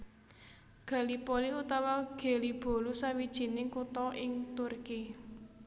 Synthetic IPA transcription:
ɡ̥a̤lipoliut̪awaɡ̥e̤lib̥o̤lusawid̥ʒ̥i̤nɪŋkut̪ɔʔɪŋt̪urki

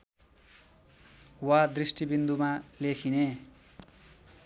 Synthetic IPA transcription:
wad̪risʈibind̪umalekʰine

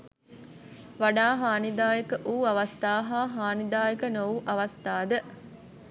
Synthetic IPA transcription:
ʋaɖaːɦaːnid̪aːjekəʔuːɐʋɐst̪aːɦaːɦaːnid̪aːjekənowʔɐʋɐst̪aːd̪ə

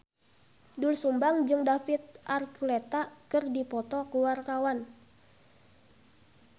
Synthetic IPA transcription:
dulsumbaŋd͡ʒɨŋdafit̪̚ʔarkulet̪akɨrdipɔt̪ɔkuwarkawan

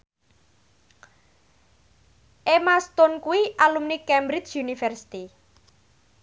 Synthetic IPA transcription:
ʔemast̪onkuwiʔalumnikɛmbɾit͡ʃunifɛrsi̥t̪i

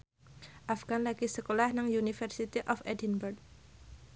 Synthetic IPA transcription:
ʔafɡ̥anlaɡisəkolahnaŋjunifərsit̪iʔɔfɛdinbɛrk̚

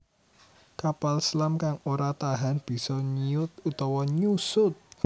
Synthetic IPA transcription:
kapalslamkaŋoɾat̪aɦanb̥i̤sɔɲiʊt̪̚ut̪ɔwɔɲusʊt̪̚

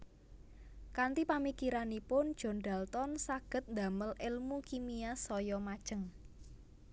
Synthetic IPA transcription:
kant̪ipamikiɾanipʊnd̥ʒ̥ɔ̤nɖ̪a̤lt̪ɔnsaɡ̥ə̤t̪̚nd̪a̤məlɪlmukimiasɔjɔmad̥ʒ̥ə̤ŋ

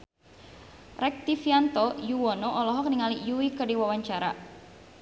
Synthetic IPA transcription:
rɛk̚t̪ifiant̪ɔjuwɔnɔʔɔlɔɦɔk̚niŋalijuikərdiwawaɲt͡ʃaɾa̰

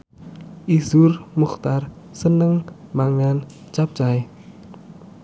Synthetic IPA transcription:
ʔizurmuxt̪ar | sənəŋ | maŋan | t͡ʃap̚t͡ʃaj

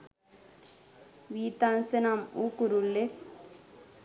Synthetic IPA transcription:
ʋiːt̪aːnsenamukuɾulːe

